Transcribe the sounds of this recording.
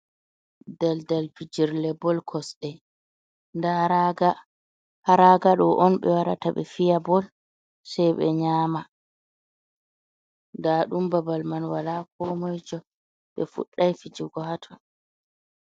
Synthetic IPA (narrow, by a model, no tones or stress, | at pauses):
dɛldalfid͡ʒiɾlɛbɔlkʰɔsɗɛ | ndaɡa | haɾaɡaɗɔʔɔnɓɛ̰waɾa̰taɓɛ̰fijabɔl | sɛjɓɛ̰ɲaːma | ndaɗumbabalmanwalaːk̚ɔmɔjd͡ʒɔ | ɓɛfṵɗːajfid͡ʒiɡɔhatʰɔn